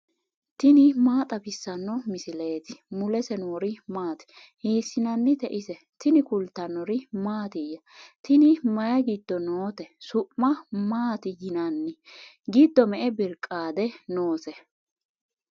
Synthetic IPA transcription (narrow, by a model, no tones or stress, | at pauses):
t̪ɪnɪmaːt̪ʼɐbɪsːɐnːɔmɪsɪleːt̪ɪ̥mʊlɛsɛnoːɾɪmaːt̪ɪ̥ | heːsːɪnɐnːɪt̪ɛʔɪsɛ | t̪ɪnɪkʊlt̪ːɐnːɔɾɪmaːt̪ɪjːɐ | t̪ɪnɪmɐjɐɡɪd̪ːɔnoːt̪ɛsʊʔmɐmaːt̪ɪjɪnɐnːɪ | ɡɪd̪ːɔmɛʔɛbɪɾkʼːaːd̪ɛnoːsɛ